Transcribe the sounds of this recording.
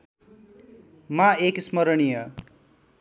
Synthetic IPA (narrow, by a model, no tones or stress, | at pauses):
maeksmʌɾʌɽijʌ